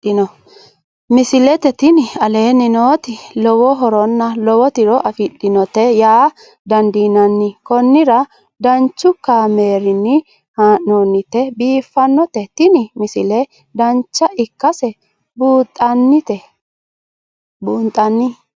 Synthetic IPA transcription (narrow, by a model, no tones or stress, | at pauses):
ɪnɔ | mɪsɪlɛt̪ɛt̪ɪnɪɐle̞ːnɪnoːt̪ɪlɔwɔɦɔɾɔnːɐlɔwɔt̪ɪɾɔʔɐfɪɗɪnɔt̪ɛjaː | d̪ɐnd̪iːnɐnːɪkɔnːɪɾɐ | d̪ɐnt͡ʃːʊkːaːme̞ːɾɪnːɪ | haːʔnonːɪt̪ɛbiːfːɐnːɔt̪ɛt̪ɪnɪmɪsɪlɛ | d̪ɐnt͡ʃːɐʔɪkːɐsɛ | buːt̪ʼːɐnːɪt̪ɛ | buːnt̪ʼːɐnːɪ